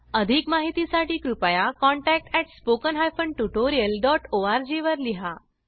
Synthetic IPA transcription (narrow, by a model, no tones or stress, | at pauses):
əd̪ʱikmaɦit̪isaʈiːkɾupajakɔɳʈæk̚ʈɛʈspokənɦajfəɳɖʈuʈoɾijəlɖɔʈoaɾd͡ʑeʋəɾliɦa